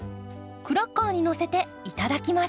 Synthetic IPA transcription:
kɯ̟ɾakːaːɲ̟ino̞se̞t̪e̞ | it̪ad̪akʲima

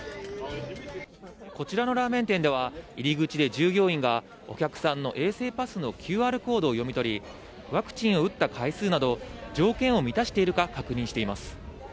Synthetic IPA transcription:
ko̞t͡ɕiɾano̞ɾaːmẽ̞nt̪ẽ̞nd̪e̞β̞aiɾʲiɡɯ̟t͡ɕid̪e̞d͡ʑɨːɡʲo̞ːĩŋɡa | o̞̰kʲakɯ̟̥sãnːo̞ʔe̞ːse̞ːpasɨno̞kʲʰɨːaːɾɯ̟ko̞ːd̪o̞ːjo̞mʲit̪o̞ɾʲi | βakɯ̟̥t͡ɕĩɰ̃o̞ɯ̟t̪ːakʰaisɨːnad̪o̞d͡ʑo̞ːkẽ̞ɰ̃o̞mʲit̪aɕi̥t̪e̞iɾɯ̟kakakɯ̟ɲ̟ĩɕi̥t̪e̞imasɨ̥

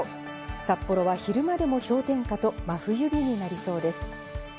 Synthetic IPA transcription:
sapːo̞ɾo̞βaçiɾɯ̟mad̪e̞mo̞ço̞ːt̪ẽ̞ŋkat̪o̞maɸɯ̟jɯ̟bʲiɲ̟inaɾʲiso̞ːd̪e̞sɨ̥

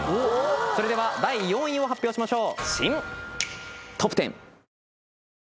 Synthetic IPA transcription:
oːso̞ɾe̞d̪e̞βad̪aijõ̞ĩo̞ɦapʲːjo̞ːɕimaɕo̞ːɕḭ̃m | t̪ʰopːɯ̟̥t̪ẽ̞̰ɴ

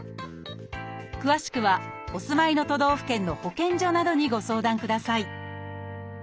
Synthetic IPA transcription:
kɯ̟βaɕi̥kɯ̟βa | o̞sɨmaino̞t̪o̞d̪o̞ːɸɯ̟̥kẽ̞nːo̞ho̞kẽ̞ɲ̟d͡ʑo̞nad̪o̞ɲ̟iɡo̞so̞ːd̪ãŋkɯ̟d̪asai

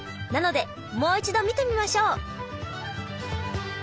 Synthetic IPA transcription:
nano̞d̪e̞ | mo̞ːit͡ɕid̪o̞mʲit̪e̞mʲimaɕo̞ː

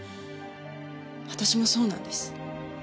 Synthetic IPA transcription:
βat̪aɕimo̞so̞ːnã̰nd̪esɨ̥

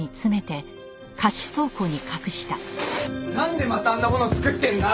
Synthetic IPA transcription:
it͡sɨme̞t̪e̞ | kʰaɕi̥so̞ːko̞ɲ̟ikʰakɯ̟ɕi̥t̪a | nãnd̪e̞mat̪aːnːamo̞not͡sɨ̥kɯ̟t̪ːẽ̞nd̪a

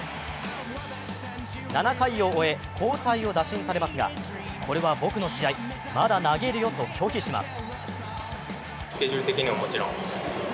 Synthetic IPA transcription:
nanakaio̞ːe̞ | kʰo̞ːt̪aio̞d̪aɕĩɰ̃saɾe̞masɨɡa̰ | kʰo̞ɾe̞βabo̞kɯ̟noɕiai | mad̪anaɡe̞ɾɯ̟jo̞t̪o̞kʲʰo̞ːçiɕima̰sɨ̥ | sɨ̥kʲe̞ʑɨɾɯ̟t̪e̞kʲiɲ̟iβamot͡ɕiɾõŋ

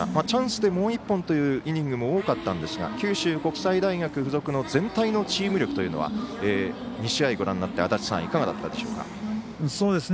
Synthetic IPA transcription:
mat͡ɕãɰ̃sɨd̪e̞mo̞ːipːõ̞nt̪o̞jɯ̟ːʔiɲ̟ĩŋɡɯ̟mo̞oːkat̪ːãnd̪e̞sɨɡa̰kʲɨːɕɨːko̞kɯ̟̥said̪aiɡakɯ̟ɸɯ̟zo̞kɯ̟no̞zẽ̞nt̪aino̞t͡ɕiːmɯ̟ɾʲo̞kɯ̟t̪o̞jɯ̟noβa̰eː | ɲ̟iɕiaiɡo̞ɾã̰nːat̪ːe̞at̪at͡ɕi̥sã̰ikaɡad̪a̰t̪ːa̰d̪e̞ɕo̞̰ːka̰ | so̞ːd̪esɨ

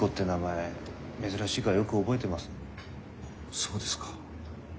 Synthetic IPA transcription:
ko̞t̪ːe̞namae̞ | me̞zɨɾaɕiɡajo̞kɯ̟o̞bo̞e̞t̪e̞masɨ̥ | soːd̪esɨ̥kḁ

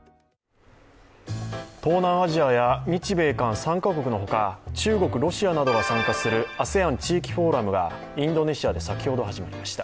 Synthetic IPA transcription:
t̪o̞ːnãaʑiajaɲʲit͡ɕibe̞ːkãɰ̃sãŋkako̞kɯ̟no̞ɦo̞kat͡ɕɨːɡo̞kɯ̟ɾo̞ɕianad̪o̞ɡasãŋkasɨɾɯ̟ase̞ãɲ̟t͡ɕiːkʲi̥ɸo̞ːɾamɯ̟ɡa̰ | ĩnd̪o̞ne̞ɕiad̪e̞sakʲi̥ho̞d̪o̞ɦaʑimaɾʲimaɕi̥t̪ḁ

